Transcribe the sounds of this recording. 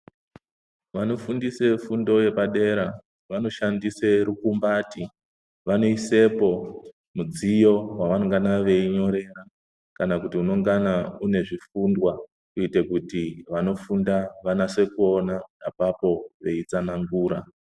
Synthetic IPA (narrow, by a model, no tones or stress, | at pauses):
ʋano̞fundise̞fundo̞je̞paɗe̞ɾa | ʋano̞ʃandise̞ɾukumbati | ʋano̞ise̞po̞ | mud͡zijo̞waʋanoŋɡanaʋe̞iɲo̞ɾe̞ra | kanakutiuno̞ŋɡanaune̞ʐifundwa | kuitekutiʋano̞fundaʋanase̞kuo̞naːpapo̞ʋe̞it͡sanaŋɡuːɾa